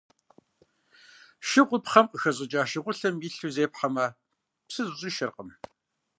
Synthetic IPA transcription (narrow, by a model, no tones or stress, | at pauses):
ʃɪqʷʊpχɐmqəxɐʑʼɨt͡ʃʼaːʃɪʁʷʊɬɐmiːɬuzeːpħɐmɐ | psɨzʊɕʼiːʃɪrqəm